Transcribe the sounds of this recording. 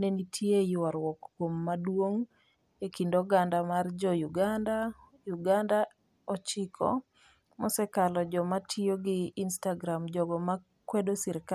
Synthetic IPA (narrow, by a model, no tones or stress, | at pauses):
nenitʰjejwaɾwɔkːwomːadwoŋ | ekindɔɡandamard͡ʒɔjuɡanda | juɡanda | ɔt͡ʃɪkʰɔ̰ | mɔsɛkalɔd͡ʒɔmatʰioɡɪːnstaɡɾamd͡ʒɔɡɔma | kwedosɪɾka